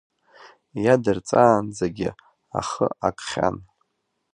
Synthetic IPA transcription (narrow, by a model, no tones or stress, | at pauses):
jadɨrt͡sʼaːnd͡zaɡʲɪ | a̰χəakʼχʲa̰n